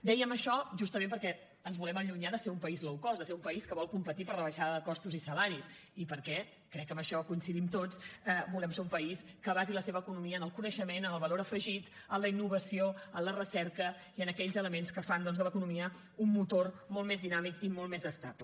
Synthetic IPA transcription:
d̪ɛjəməʃɔʒust̪əmẽmpəɾkɛ | ənzβulɛməʎuɲaðəseɾumpəizlɔwkɔzðəseɾumpəiskəβ̞ɔlˠkumpət̪ipəɾləβəʃaðəðəkɔst̪uzisəlaɾis | ipəɾkɛ | kɾɛkːəmbəʃɔkuinsiðimt̪ot͡səbulɛmseumpəiskəβaziləseβəːkunumiəːnəlˠkunəʃəmenənəlˠβəloɾəfəʒit̪ | ənləinːuβəsioənlərəsɛɾkə | iənəkɛʎzələmenskəfand̪ɔnzðələkunumiə | unmut̪ormolˠmezðinamikimolt̪mezəst̪aplə

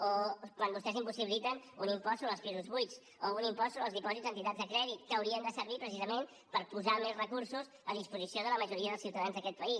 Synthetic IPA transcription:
okwanbust̪ɛzimpusiβilit̪ənunimpɔst̪unəlˠspizuzβujt͡s | ounimpɔst̪unəlˠzðipɔzit̪zənt̪it̪ad͡zzd̪əkɾɛðit̪kəəwɾiənd̪əsəɾβipɾəsizəmen | pəɾpuzamezrəkuɾsuz | əðispuzisioðələməʒuɾiəðəlˠsiwt̪əðanzðəkɛt̪̚pəis

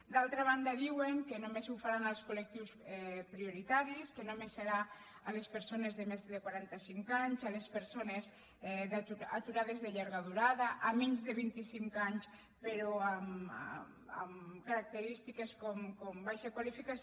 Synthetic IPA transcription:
d̪alˠt̪ɾaβ̞and̪aðiweŋkenomezufaɾanalˠskulek̚t̪iwsɛpɾioɾit̪aɾiskenomesːeɾa | alespeɾsonezðemezðekwaɾant̪asiŋkaɲzalespeɾsonez | ðuat̪uɾaðezðeʎaɾɣaðuɾaðaʔamiɲzðeβint̪isiŋkaɲs | peɾoam | a̰mkaɾak̚t̪eɾist̪ikeskɔmkɔmbajʃakwalifikas

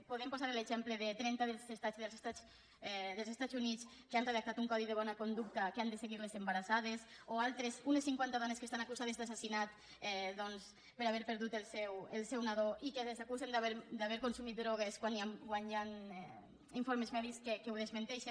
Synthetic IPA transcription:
poðempuzaɾeleʒɛmpleðet̪ɾɛnt̪aðelzest̪ad͡ʒðelzest̪at͡s | ðelˠzest̪azunit͡skeanreðak̚t̪at̪uŋkɔðiðeβɔnakond̪uk̚t̪akeand̪eseɣiɾlezembaɾasað̞esoalˠt̪ɾezunesːiŋkwant̪að̞ɔneskest̪anakuzaðezðasasinat̪ | ɛðɔns | peɾaβɛɾpeɾðut̪elˠsɛwelˠsɛwnaðoʔikeesakuzend̪aβeɾd̪aβɛɾkonsumit̪̚d̪ɾɔɣ̞eskwaniamɡwananɛ | iɱfoɾmezmɛðiskekewðezmẽnt̪ɛʃen

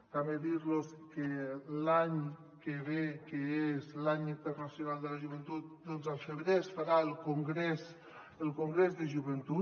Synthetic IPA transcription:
t̪ameðiɾloskelaɲ | keβekeezlaɲint̪ərnasjunalˠd̪əlaʒuβent̪ut̪̚d̪ɔnzalfeβɾesfaɾaelˠkuŋɡɾes | əlˠkuŋɡɾezðeʒuβent̪u

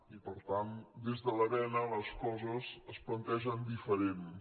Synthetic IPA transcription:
ipəɾt̪and̪ezðələβɛnələskɔzəzəsplənt̪ɛʒənd̪ifəɾen

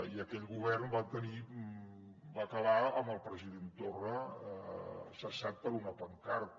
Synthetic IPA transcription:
iəkɛʎɣuβ̞ɛrnbat̪əni | bakəβaəməlˠpɾəziðent̪orə | səsat̪̚pəɾunəpəŋkaɾt̪

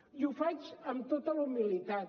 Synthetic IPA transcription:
iufat͡ʃəmt̪ot̪əlumilit̪at̪

